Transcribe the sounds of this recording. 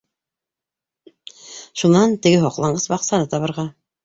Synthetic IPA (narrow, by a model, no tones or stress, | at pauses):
ʃunɑnt̪ɘ̆ɡɘɦoqlˠɑɴɢɤsbɑqsɑnɤt̪ɑβɤ̆ɾʁɑ